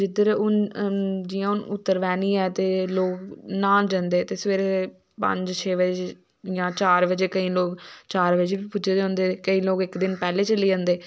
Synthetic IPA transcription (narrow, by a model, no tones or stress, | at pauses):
d͡ʒɪt̪ːɾeʊn | d͡ʒiːãːʊnʊt̪ːəɾʋɛːniːɛːt̪eːloːknaːld͡ʒə̃nd̪eːt̪eːsʋeːɾe | pə̰̃ɲd͡ʒt͡ʃʰeːʋəd͡ʒe | jãːt͡ʃaːɾʋəd͡ʒeːkəĩːloːkt͡ʃaːɾʋəd͡ʒebipʊd͡ʒeːd͡ʒãːnd̪eːkəĩːloːkɪkd̪ɪnpɛːleːt͡ʃəliːd͡ʒãːnd̪eː